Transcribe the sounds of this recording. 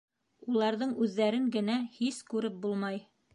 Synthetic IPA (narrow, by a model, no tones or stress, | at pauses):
ulˠɑɾðɤɴʉðːæɾɘŋɡɘ̆næhiskʉɾɘp̚bulˠmɑj